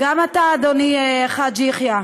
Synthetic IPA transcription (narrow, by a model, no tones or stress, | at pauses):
ɡamat̪aːd̪oniχad͡ʒiχja